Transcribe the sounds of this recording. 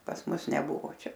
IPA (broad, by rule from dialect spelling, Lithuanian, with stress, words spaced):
pɐs ˈmʊs nʲɛˈbʊʋoː ˈt͡ʃʲɛ